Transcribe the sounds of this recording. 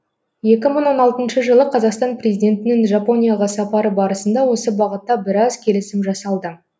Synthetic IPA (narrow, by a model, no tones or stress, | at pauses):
je̞kʲɪməɴwo̞nɑlˠt̪ənʃəʒəlˠəqʰɑzɑqst̪ɑnprʲe̞zijd̪ʲe̞nt̪ɪnɪŋʒɑpo̞nʲijaʁɑsɑpɑɾəbɑɾəsənd̪ɑwo̞səbɑʁət̪ːɑbɪɾɑzkʲʰe̞lɪsɪmʒɑsɑlˠd̪ə